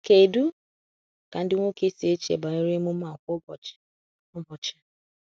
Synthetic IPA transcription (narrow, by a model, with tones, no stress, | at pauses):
ke˨du˦ | ka˨n̩˦dɪ˦ŋʷo˦ke˦se˦t͡ʃḛ˨ba˨i˦ɾe˦mu˦m̩˦a˨kʷɔ˦bɔ̥˨ | ɔ˦bɔ˨t͡ʃḁ˦